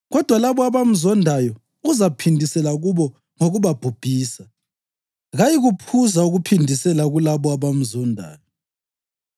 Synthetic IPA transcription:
ɣɔd̥ʱwalaβɔaβam̩zɔndʱajɔ | uzapʰindʱisɛlaɣuβɔ | ŋoɣuβab̥ʱub̥ʱiːsa | ɣajiɣupʰuzauɣupʰindʱisɛlaɣulaβɔaβam̩zɔndʱa̰ːjɔ

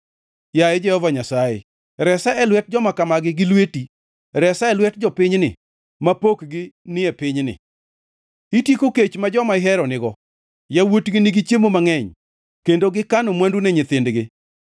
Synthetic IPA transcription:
jajɛd͡ʒɛhɔvaɲasajɪ̰ | ɾɛsaɛlwɛt̚d͡ʒɔmakamaɡɪɡɪlweti | ɾɛsaɛlwɛtd͡ʒɔpɪɲnɪ̰ | mapokɡɪnɪɛpɪɲnɪ̰ | itjikoket͡ʃmad͡ʒɔmaɪɦɛɾɔnɪɡɔ | jawotɡɪnɪɡɪt͡ʃjemomaŋɛɲ | kendoɡɪkanomwandunɛɲɪt̪ɪndɡɪ

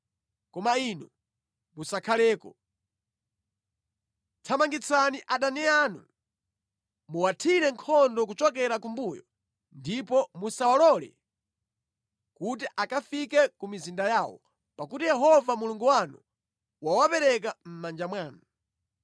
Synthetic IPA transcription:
kɔmainu | musakʰalɛːkɔ | tʰamaŋɡit͡saniʔaɗanianu | muwatʰiɾɛŋkʰɔndɔk̬ut͡ʃɔk̬ɛɾakumbujɔ̰ | ndipɔmusawalɔlɛ̰ | kutiʔakafikɛkumizindajaːwɔ̰ | pakutijɛɦɔvamuluŋɡuwanu | wawapɛɾɛk̬am̩mand͡ʒamwaːnu

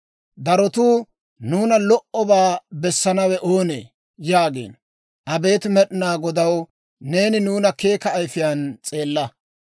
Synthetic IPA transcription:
d̪ɐɾɔt̪uː | nuːnɐlɔʔɔbaːbɛsːɐnɐwɛʔo̞ːnḛː | jaːɡḛːn | ʔɐbe̞ːt̪mɛɗɪnaːɡɔd̪ɐw | ne̞ːnɪnuːnɐke̞ːkɐːjfɪjant͡sʼe̞ːlːɐ

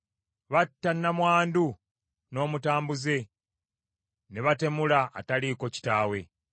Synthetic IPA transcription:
βatːanːamwaːndu | no̞ːmutaːmbuze̞ | neβate̞mula̰ːtaliko̞ci̥taːwe̞

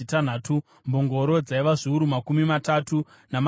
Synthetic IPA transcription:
itan̤aːtʰu | mboŋɡo̞ɾo̞d͡zaiʋaʐiuɾumakumimatatu | nam

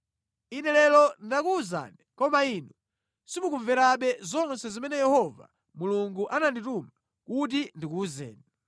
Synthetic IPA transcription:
inɛlɛlɔndakuːza̰nɛkɔmainu | simukuɱvɛɾaɓɛzɔnsɛzimɛnɛjɛhɔva̰ | muluŋɡuʔanandituma | kut̬indikuzɛ̰ːni

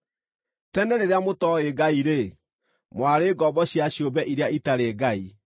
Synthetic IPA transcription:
tɛnɛɾeɾeamotɔeɡaiɾe | mwaɾeːɡɔbɔɕiaɕjobɛʔiɾeaitaɾeɡai

